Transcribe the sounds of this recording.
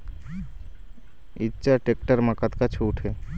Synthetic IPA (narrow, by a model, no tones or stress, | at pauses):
ɪtːʃaʈek̚ʈəɾməkət̪kat͡ʃʰuːʈʰɦeː